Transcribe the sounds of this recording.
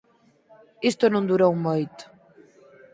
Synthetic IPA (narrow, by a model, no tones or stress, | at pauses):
ist̪ʊnõnd̪uɾowmojt̪ʊ̥